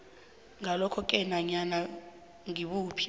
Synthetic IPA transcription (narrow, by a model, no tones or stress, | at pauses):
ŋalɔkʰɔkʼɛnaɲana | ŋiɓuːpʰi̥